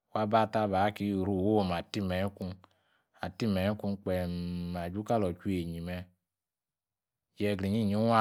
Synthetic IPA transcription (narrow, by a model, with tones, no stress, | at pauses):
wa˦ba˦˨ta˦ba˨˦ki˧˦˨ɾu˦˨wo˦˨ma˨ti˦mɛ˨˦ku˧ | a˨ti˦mɛ˨˦ku˧k͡pɛ˨ma˨d͡ʒu˦ka˦lɔ˨t͡ʃu˦e˨ɲi˨mɛ˧ | jɛ˧˨ɡɾi˨ɲi˦˨ɲi˨˦a˦